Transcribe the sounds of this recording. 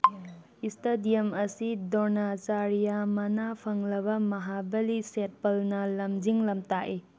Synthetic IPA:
istedijɐmɐsidonat͡ʃaɾijamɐnapʰɐŋlɐβɐmɐɦabɐliset̚pɐlnɐlɐmd͡ʒiŋlɐmtaʔi

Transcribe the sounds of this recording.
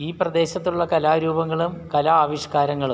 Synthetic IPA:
iːprɐd̪e̞ːɕɐt̪ːuɭːɐkɐlaːɾuːbɐŋːɐɭumkɐlɐaːʋiɕkaːɾɐŋːɐɭu

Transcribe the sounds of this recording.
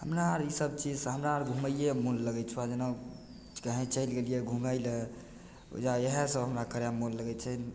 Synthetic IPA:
ɦəmɾaɾisəb̚t͡ʃid͡ʒsɦəmɾaɾɡʱuməijemunləɡɛt͡ʃʰuad͡ʒena | kəɦɛ̃t͡ʃəjlɡelijeɡʱumajlḛ | d͡ʒaeɦɛsə̃ɦəmɾakəɾamolləɡɛt͡ʃʰən

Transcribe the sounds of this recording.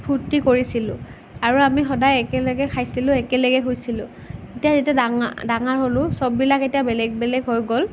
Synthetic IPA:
pʰuɹtikoɹisilʊ̰̃ | aɹuamixɔdajɛkɛlɛɡɛkʰajsilʊ̃ɛkɛlɛɡɛɦojsilʊ̃ | etijazitadaŋdaŋaɹɦolʊ̃sɔbːilaketijabɛlɛɡ̚bɛlɛɡɦojɡol

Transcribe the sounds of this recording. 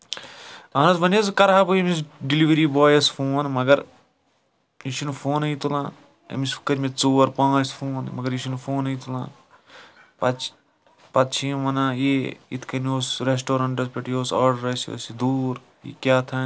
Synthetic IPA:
ɐːnɐzʋɐnɐzkɐɾɦaːbujemisɖiliʋɐɾiːboːjɐsfʰoːnmɐɡɐɾ | it͡ʃʰunfʰoːnɐit̪ulã̰ː | ɐ̰misfu̥kɐɾʲmet͡soːɾpãːt͡ʃfʰoːnmɐɡɐɾiʃʰinfʰoːnɐjt̪ulã̰ː | pɐ | pɐt̪t͡ʃʰiːʋɐnãːjeːḭt̪ʰkɐnoːsɾes̬ʈoːɾɐ̃ɳʈɐspʲeʈijoːsa̰ːɖɐɾɐsio̰sid̪uːɾ | ḭkʲaːt̪ʰɐ

